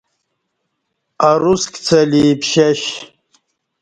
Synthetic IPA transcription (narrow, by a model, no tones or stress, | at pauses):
aɾuskʲt͡sʰɐliːpɕɐɕ